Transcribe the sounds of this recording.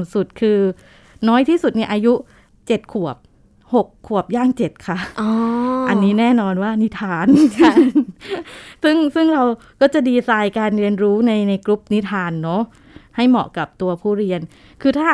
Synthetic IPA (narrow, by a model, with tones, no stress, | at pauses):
su˨˩t̪̚kʰɯː˧ | nɔː˦˥jt̪ʰiː˥˩su˨˩t̪̚ni˥˩ʔaː˧ju˦˥ | t͡ɕe˨˩t̪̚kʰu˨˩əp̚ | ho˨˩kʰːu˨˩əp̚jaː˥˩ŋt͡ɕe˨˩t̪̚kʰa˦˥˩ɔː˧ʔa˧nːiː˦˥nɛː˥˩nɔː˧nwaː˥˩ni˦˥t̪ʰaː˧n | sɯ˥˩ŋsɯ˥˩ŋɾa˧w | kɔː˥˩t͡ɕa˨˩diː˧saː˧jkaː˧nɾi˧ənɾuː˦˥na˧jna˧jklu˦˥p̚ni˦˥t̪ʰaː˧nːɔ˦˥ | ha˥˩jmɔ̰˨˩ka˨˩p̚t̪u˧ɐpʰuː˥˩ɾi˧ən | kʰɯː˧t̪ʰaː˥˩